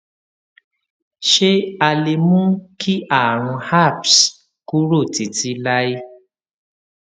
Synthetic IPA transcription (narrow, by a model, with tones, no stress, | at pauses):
ʃe˦a˧le˧mũ˦kʰi˦ʔa˦˨ɾ̃ũ˧ha˦˨ps | ku˦ɾo˦˨ti˨ti˦la˦i˦